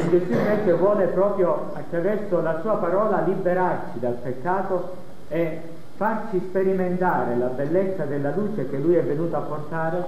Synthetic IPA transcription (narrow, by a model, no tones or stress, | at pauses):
nd̪esupɛkːevwɔːlepɾɔːpɾjo | at̪ːɾavɛrsolasuːapaɾɔːlalibeɾart͡ʃid̪alpekːaːt̪o | e | farsispeɾiment̪aːɾelabelːet̪sːad̪elːaluːt͡ʃek̟elːujɛvːenuːt̪apːort̪aːɾe